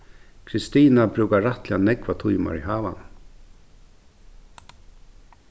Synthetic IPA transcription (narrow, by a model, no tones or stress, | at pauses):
kʰɾɪst̪iːnabɾʉːkaɹaht̪lɪanɛkvat̪ʰujma̰ɹiɦaːva̰n